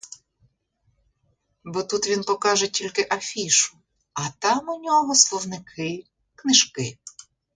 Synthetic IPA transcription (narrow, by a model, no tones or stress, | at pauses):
bɔt̪ut̪ʋʲinpɔkɑʒɛtʲilʲkɪʔɐfʲiʃʊ̥ | ɐt̪ɑmʊnʲɔɦɔslˠɔwnɪkʰɪ | knɪʒkɪ